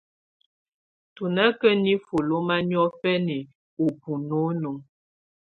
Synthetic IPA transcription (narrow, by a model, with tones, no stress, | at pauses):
tu˨nə˦kə˦ni˦fu˨lo˦ma˦njɔ˦fɛ˦ni˨ | u˨pu˨no˨˦nu˨ŋ